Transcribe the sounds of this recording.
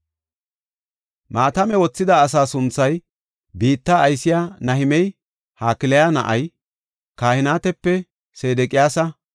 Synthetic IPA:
maːt̪ɐmɛwɔt͡sːɪd̪ɐːs̬aːsʊnt͡sːɐj | biːt̪ːaːjsɪjaːnɐhɪmɛj | haːkɪlɛjaːnɐ̰ʔɐj | kaːhɪnaːt̪ɛpːɛ | seːd̪ɛkʼɪjaːsɐ

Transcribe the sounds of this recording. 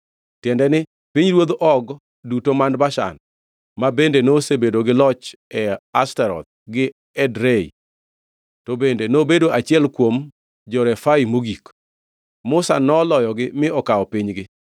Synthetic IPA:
tjɛndɛnɪ | piɲɾwod̪ʔɔɡ | dutomanbaʃa̰n | mabendenosebedoɡɪlɔt͡ʃɛastɛɾɔ̰t̪̚ɡɪ | ɛdɾeḭ | tobendenobedoʔat͡ʃɪɛlkwom | d͡ʒɔɾɛfaimoɡik | mʊsa̰nɔlɔjɔɡɪmɪɔkaɔpiɲɡɪ

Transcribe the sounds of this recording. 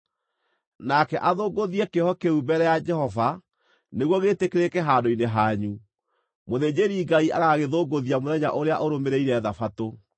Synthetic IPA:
nakɛʔaðoːɡoðiɛkehɔkeubɛɾɛjad͡ʒɛhɔva | neɣwɔɣetekeɾekɛɦaːdoineɦaɲu | moðed͡ʑeɾiːŋɡaiʔaɣaɣeðoːɡoðiamoðɛɲa̰ʔoɾeaʔoɾomeɾeiɾɛːðafato

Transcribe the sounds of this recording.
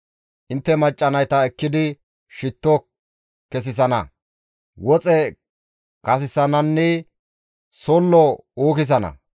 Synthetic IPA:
ʔɪnt̪ːɛmɐt͡ʃʼːɐnɐjt̪ɐɛkːɪd̪ɪ | ʃɪt̪ːɔ | kɛs̬ɪs̬ɐnɐ̰ | wɔt͡sʼɛ | kɐs̬ɪsɐnɐnːɛ | sɔlːɔoːkɪs̬ɐnɐ̰

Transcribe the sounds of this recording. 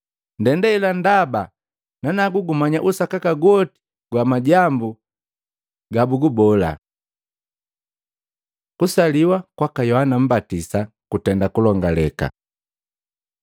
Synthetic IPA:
ndɛndailandaba | nanaɡuɡumaɲaʔusakakaɡwɔti̥ | ɡwamaɟambu | ɡabuɡubɔla̰ | kusaliwakwakajɔhanam̩batisa | kutɛndakulɔŋɡalɛka̰

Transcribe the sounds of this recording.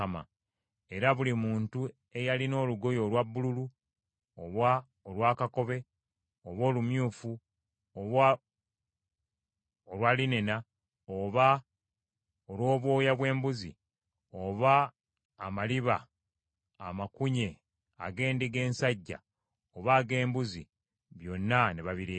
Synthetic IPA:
ama̰ | e̞ɾaβulimuːntu | e̞jalino̞ːluɡo̞jo̞lwabːululu | oβwa | olwaːkako̞βe̞ | oβo̞ːlumjuːfu | o | olwaːline̞na | oβa | olwo̞ːβwo̞ːjaβwe̞ːmbuzḭ | oβaː | maliβa̰ː | makuɲe̞ | a̰ɡe̞ːndiɡe̞ːnsaɟːa̰ | oβaːɡe̞ːmbuzḭ | βjo̞nːaneβaβiɾeː

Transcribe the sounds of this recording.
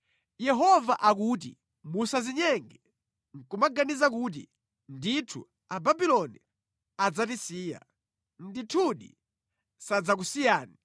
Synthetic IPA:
jɛɦɔvaʔakuːt̬ḭ | musaziɲɛŋɡɛ | ŋ̩kumaɡanizakuːt̬ḭ | nditʰṵ | ababilɔni | ad͡zatisiːja̰ | nditʰuɗḭ | sad͡zak̬usijaːni

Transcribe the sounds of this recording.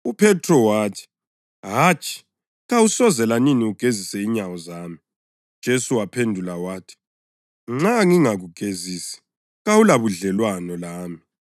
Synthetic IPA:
upʰɛtʰʼrɔwaːtʰi̥ | ɦat͡ʃʼi̥ | ɣawusɔzɛlaniniuɡ̥ʱezisɛiɲawɔzaːmi | d̥ʒ̥ʱesuwapʰendʱulawaːtʰi̥ | ŋ͡ǁaŋiŋaɣuɡ̥ʱeziːsi̥ | ɣawulaβuɮɛlwanɔlaːmi

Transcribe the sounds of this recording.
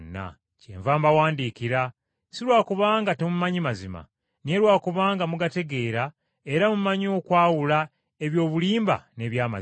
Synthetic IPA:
nːa̰ | cḛːɱvaːmbawaːndiːkiɾa | siɾwaːkuβaːŋɡatemumaɲimazima̰ | ne̞lwaːkuβaːŋɡamuɡate̞ɡe̞ːɾa | e̞ɾamumaɲo̞ːkwaːwula | e̞βjo̞ːβuliːmba̰ne̞βjaːma

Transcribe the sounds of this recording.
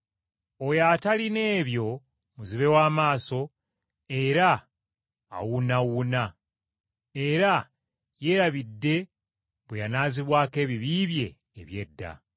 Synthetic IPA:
ojataline̞ːβjo̞ | muziβe̞waːmaːso̞ | e̞ɾa̰ː | wunawuna | e̞ɾa | je̞ɾaβidːe̞ | βwejanaːziβwaːke̞ːβiβiːβje̞ː | βje̞dːa̰

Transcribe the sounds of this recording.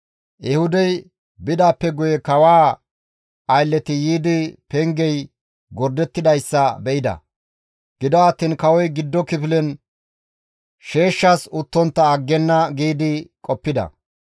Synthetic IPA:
jɛhʊd̪ɛj | bɪd̪aːpːɛɡʊjɛkɐwaː | ɐjlːɛt̪ɪjiːd̪ɪpɛŋɡɛj | ɡɔɾd̪ɛt̪ːɪd̪ɐjsːɐbɛʔɪd̪ɐ̰ | ɡ̥ɪd̪ɔɐt̪ːiːnkɐwɔjɡɪd̪ːɔkɪpɪlɛn | ʃe̞ːʃːɐsʊt̪ːɔnt̪ːɐːɡːɛnːɐɡiːd̪ɪkʼɔpːɪd̪ɐ̰

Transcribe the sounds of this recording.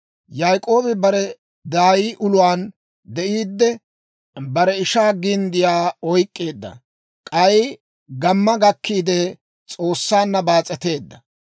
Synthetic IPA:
jajkʼo̞ːbɪbɐɾɛ | d̪aːjiːʔʊlʊwaːn | d̪ɛʔiːd̪ːɛ | bɐɾɛɪʃaːɡɪnd̪ɪjaːɔjkʼːe̞ːd̪ːɐ̰ | kʼɐɪ | ɡɐmːɐɡɐkʰːiːd̪ɛ | t͡sʼo̞ːsːaːnːɐbaːt͡sʼɛt̪e̞ːd̪ːɐ

